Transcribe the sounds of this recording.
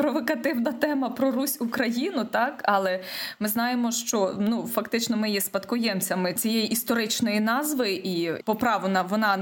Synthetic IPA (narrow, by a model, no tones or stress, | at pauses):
pɾɔʋɔkɐt̪ɪwnɐt̪ɛmɐpɾɔɾusʲukɾɐjinʊt̪ɑkɐlˠɛmɪznɑjemɔʃt͡ʃɔnufɐkt̪ɪt͡ʃnɔmɪjɛspɐt̪kɔjɛmt͡sʲɐmɪt͡sʲijejiʔist̪ɔɾɪt͡ʃnɔjinɑzʋɪʔipɔpɾɑʋonɐʋɔnɑ